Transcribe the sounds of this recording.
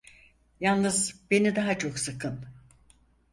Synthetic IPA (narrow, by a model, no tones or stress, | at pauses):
jalˠnɯzbe̞nid̪aɦat͡ʃʰo̞ksɨkʰɯn